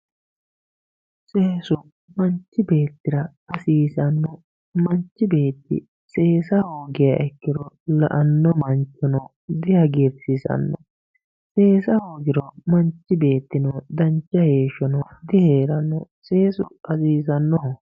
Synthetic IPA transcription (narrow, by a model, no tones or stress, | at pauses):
seːsʊ | mɐnt͡ʃːɪbe̞ːt̪ːɪɾɐ | ɐsiːsɐnːɔ | mɐnt͡ʃːɪbe̞ːt̪ːɪ̰ | se̞ːsɐhoːɡɪjɐʔɛkːɪɾɔ | lɐ̰ʔɐnːɔmɐnt͡ʃːɔnɔ | d̪ɪjɐɡeɾsɪsɐ̰nːɔ̰ | se̞ːsɐhoːɡɪɾɔmɐnt͡ʃːɪbe̞ːt̪ːɪnɔd̪ɐnt͡ʃːɐhe̞ːʃɔnɔd̪ɪheːɾɐnːɔse̞ːsʊʔɐsiːsɐnːɔ